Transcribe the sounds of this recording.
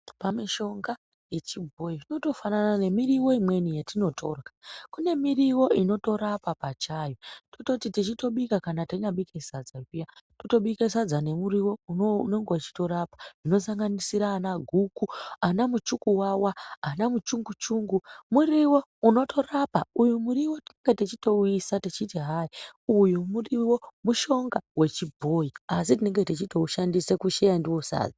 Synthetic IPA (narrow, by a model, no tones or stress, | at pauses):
pamiʃo̞ŋɡa | je̞t͡ʃibʱo̞jiino̞to̞fananane̞miriwo̞imwe̞nijetino̞tʰo̞ːrkakune̞miriwo̞ino̞to̞ɾapapat͡ʃajotototitit͡ʃito̞ɓikakanataɲaɓikesad͡zakijatuto̞ɓikesad͡zane̞muɾiwo̞uoneŋɡeat͡ʃi̥to̞ɾapḁʐ̥ino̞saŋɡanisiɾaːnaɡʱukuanamut͡ʃukuwawaanamut͡ʃuŋɡut͡ʃuŋɡumuriwo̞uno̞to̞rapaujumuɾiwo̞tine̞ŋɡe̞tet͡ʃito̞uisatet͡ʃitiɦaiujumuriwo̞muʃo̞ŋɡawe̞t͡ʃibʱo̞iasit̬ine̞ŋɡe̞tet͡ʃito̞uʃandisekuʃejandiwo̞sa̰ːd͡za